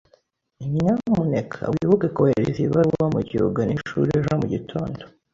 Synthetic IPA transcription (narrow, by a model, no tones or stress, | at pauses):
imɲaumunekʰa̰wiβuɡakoheɾeziβaamuɟio̰ɡaniʃṵɾieʒamuɟitʰo̞ːndo